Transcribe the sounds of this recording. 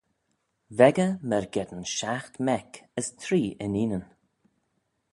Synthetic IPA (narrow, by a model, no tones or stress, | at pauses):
vɛɡəmɛɹɡɛd̪ənʃaxt̪mɛkəst̪ʰɾiːʔɪ̰niːnən